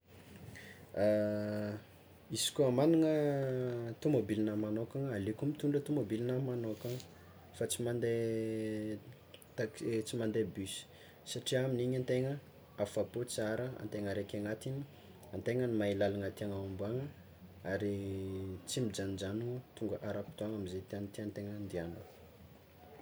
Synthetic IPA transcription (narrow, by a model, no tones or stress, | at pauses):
a | isi̥kʲuamaniŋə | t̪umobilinəmanokaŋalekumit̪uɳɖ͡ʐət̪umobilinəmanoka | fat͡simand̪e | t̪at͡simand̪ebysi̥ | saʈ͡ʂiaminiɲant̪eŋə | afapot͡siaɾəa̰nt̪eŋəɾekʲaŋat̪ini | ant̪eŋənimailalaŋat̪iaŋaambuaŋə | aɾi | t͡simid͡ʒanid͡ʒanut̪uŋɡəʔaɾapi̥t̪uaŋamizet̪iant̪iant̪eŋənd̪iano